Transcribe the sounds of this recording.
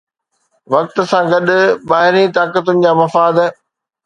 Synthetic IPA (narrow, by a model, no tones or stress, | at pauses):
ʋɐk̚t̪̆sãɡɐɗʊɓaːɦɪɾĩt̪aːkət̪ʊnɪ̆d͡ʑaːmɐfaːd̪